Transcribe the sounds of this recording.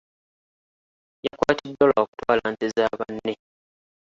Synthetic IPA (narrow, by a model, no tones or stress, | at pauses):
jakwaːtidːolaoku̥twaːlaːntezaːβanːe